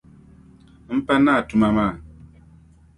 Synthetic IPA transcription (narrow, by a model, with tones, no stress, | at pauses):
m̩˦pɛ˦na˦˨tu˨ma˨ma˦˨